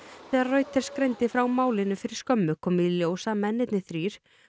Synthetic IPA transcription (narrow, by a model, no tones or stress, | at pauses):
θɛːðaɾrœːɥt̪ɛɾ̥skɾejnt̪ɪfɾawmaːwlɪnʏfɪɾɪ̥ɾ̥skœmːʏkʰɔːmɪðljoːwsamɛnːɪt̪nɪθɾiːɾ̥